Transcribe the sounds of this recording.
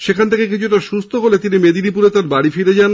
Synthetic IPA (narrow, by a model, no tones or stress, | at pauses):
ʃekʰant̪ʰekek̬it͡ɕʰuʈaʃust̪ʰoɦolet̪inimed̪inipuɾet̪aɾbaɽifiɾed͡ʑan